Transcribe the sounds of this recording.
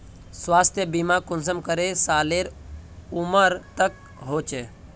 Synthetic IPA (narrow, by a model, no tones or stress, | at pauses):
swaːst̪ʰjəbimakʊns̬əmkəɾesaːleɾʊməɾt̪ək̚ | ɦoːt͡ʃeː